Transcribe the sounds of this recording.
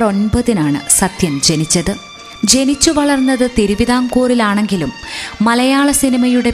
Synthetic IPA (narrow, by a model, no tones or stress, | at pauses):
ro̞nbɐðinaːɳɨ̰sɐt̪jɐmd͡ʑenit͡ɕːɐðɨ | d͡ʑe̞nit͡ɕːuʋɐɭɐrnːɐðɨt̪iɾuʋiðaːmkuːrilaːɳe̞ŋɡilumːɐlɐjaːɭɐsinimɐjuɽe̞